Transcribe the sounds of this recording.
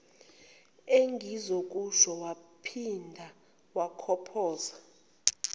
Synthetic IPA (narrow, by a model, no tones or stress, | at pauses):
eŋɡʱizok̬ʼuʃɔwapʰindʱa | wakʰɔpʰɔːza